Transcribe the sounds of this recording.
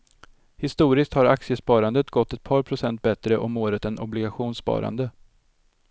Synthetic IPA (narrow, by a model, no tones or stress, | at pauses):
hɪst̪uːɾɪskt̪haɾaksɪəspɑːɾand̪ət̪ɡɔt̪ːɛt̪̚pʰɑːɾpʰɾʊsɛnt̪̚bɛt̪ɾəʔɔmoːɾət̪ɛnɔblɪɡaɧuːnsːpɑ̰ːɾa̰nd̪ə